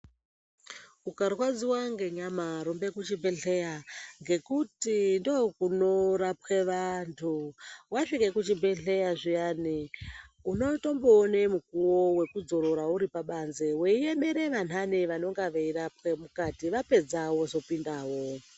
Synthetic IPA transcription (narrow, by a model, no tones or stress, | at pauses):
ukarɣwad͡ziwaŋɡe̞ɲamaɾombe̞kut͡ʃibeɬejaŋɡe̞kutindokuno̞ɾapweʋantʰuwaʂike̞kut͡ʃibʱe̞ɬe̞jaʐijani | uno̞to̞mboːnemukuwowe̞kud͡zo̞ɾo̞ɾauɾipaɓanzewe̞ieɓe̞ɾe̞ʋan̤aniʋano̞ŋɡaʋeirapwemukatiʋape̞d͡zawo̞zo̞pindaːwo